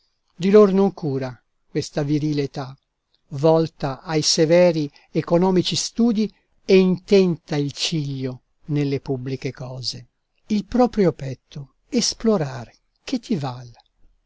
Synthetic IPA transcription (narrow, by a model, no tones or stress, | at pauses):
d̪iloɾnoŋkuːɾa | kwest̪aviɾiːlet̪a | vɔlt̪aʔajsevɛːɾi | ekonɔːmit͡ʃist̪uːd̪i | eint̪ɛnt̪ailt͡ʃiʎːo | nelːepubːlikekɔːze | ilpɾɔːpɾjopɛt̪ʰːo | esploɾaːɾ | k̟et̪ʰːival